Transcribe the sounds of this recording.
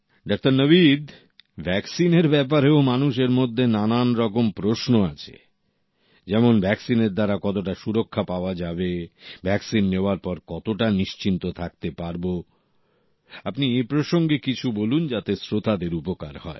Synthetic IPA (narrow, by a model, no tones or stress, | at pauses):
ɖak̚t̪aɾnəβid̪ | bʱɛksineɾbɛp̬aɾeomanuʃeɾmod̪ʱːenananɾɔkompɾosnoat͡ɕʰḛ | d͡ʑɛmonbʱɛksineɾd̪aɾakɔt̪oʈaʃuɾokʰːapaoad͡ʑabebʱɛksinːeoaɾpɔɾkɔt̪oʈaniʃt͡ɕint̪ot̪ʰak̚t̪epaɾbo | apniepɾoʃoŋɡekit͡ɕʰubolund͡ʑat̪esɾot̪ʰad̪eɾupoka̰ɾhɔe